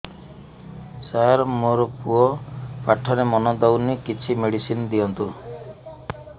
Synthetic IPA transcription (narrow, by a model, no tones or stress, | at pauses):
saaɾɔmoɾɔpuɔpaʈʰːɔɾemɔnɔd̪awnikit͡ʃʰimeɽisinɔd̪iɔnt̪u